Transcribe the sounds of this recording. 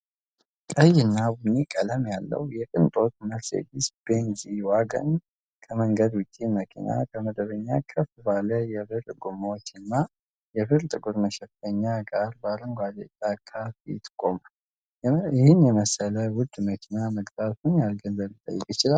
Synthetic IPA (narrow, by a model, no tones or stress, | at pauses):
kʼəjɪnːabunikʼələmjalːə̰wjɛkʼɨnt̪ʼo̞t̪məlsḛɡɪsb̥enziwaɡə̰n | kʰəməŋɡəd̪wʊt͡ʃʼːiməkʰḭna̰kʰəməd̪əβəɲːakʰəfɨbaləjɛbɨɾɡumowt͡ʃːɨnːa | jɛbɨɾt̪ʼɨɡuɾməʃɛfəɲːaɡaɾbaɾəŋɡʷalet̪ʼːakʰafit̪kʼːomal | ɪhɪnjɛməsələwʊd̪ːməkʰinaməɡbat̪unjalɡənːəlit̪ʼːə̰jːɛkʼjɪt͡ʃɪlal